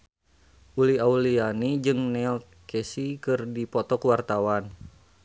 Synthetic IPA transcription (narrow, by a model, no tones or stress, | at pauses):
ʔuliaulianid͡ʒɨŋnɛl | kɛsikɨrdipɔt̪ɔkuwart̪awan